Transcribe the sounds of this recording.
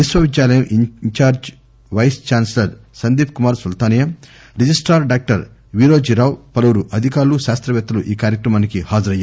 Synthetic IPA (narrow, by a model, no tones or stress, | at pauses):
ʋisʋɐʋid̪jaːlɐjɐmʔiɲt͡ʃaːɾd͡ʒ | ʋɐjst͡ʃaːnslɐɾsɐnd̪iːp̚kumaːɾsult̪aːnjɐm | ɾid͡ʒisʈaːɾɖaːk̚ʈɐɾ | ʋiːɾoːd͡ʒiɾaːwpɐlɐʋɐɾuʔɐd̪ʱikaːɾuluʃaːst̪ɾɐʋɛːt̪ːɐluʔiːkaːɾjɐkɾɐmaːnikihaːd͡ʒɐɾɐjːaː